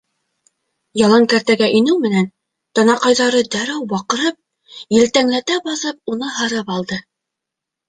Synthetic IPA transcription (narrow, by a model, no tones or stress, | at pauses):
jɑlˠɑŋkæɾt̪æɡæʔĭnɘwmɘ̆næn | t̪ɑnɑqɑjðɑɾɤd̪æɾæwbɑqɤ̆ɾɤp̚ | jɘ̆lt̪æŋlæt̪æbɑθɤp̚unɤɦɤ̆ɾɤpɑlˠd̪ɤ